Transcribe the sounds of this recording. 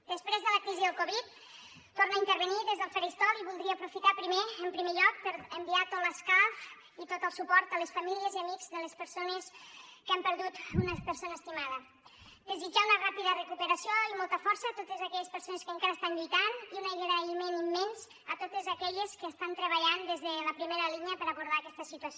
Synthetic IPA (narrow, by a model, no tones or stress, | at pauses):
d̪̥əspɾezðələkɾiziðəlˠkoβit̪̚ | t̪ornaint̪əɾβəniðezðəlˠfəɾist̪ɔliβulˠd̪ɾiəːpɾufit̪apɾimeəmpɾimeʎɔk̚pəɾəmbiat̪ot̪ləskaf | it̪ot̪əlˠsupɔɾt̪ələsfamiliəziəmiɡz̥ðələspəɾsonəskəampəɾðut̪unəpəɾsonəːst̪imað̞ə | d̪əzid͡ʒaunərapiðərəkupəɾəsioimolˠt̪əfɔɾsət̪ot̪əzakɛʎəspəɾsonəskəŋkaɾəːst̪anʎujt̪aniunajɣeɾimenimːɛnz | ət̪ot̪əzəkɛʎəskəːst̪ant̪ɾəβəʎand̪ezðələpɾimeɾəliɲəpəɾəβuɾð̞aːkɛst̪əsit̪uəso